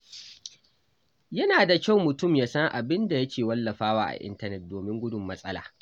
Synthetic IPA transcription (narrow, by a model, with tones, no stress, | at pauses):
jɐ˦naː˨da˨kʲa˦˨wmʊ˨tʊ˦˨mjaː˦sɐ˦ŋʔa˨bɪ˦nda˨jɐ˦kʲeː˨wɐ˦lːɐ˨ɸaː˦waː˦ʔa̰˨ʔɪ̰˦ntɐ˦nɛ˨t̚doː˨mɪ˦ŋɡʷʊ˦dʊ˨mːɐ˦sʼɐ˦la̰ː˨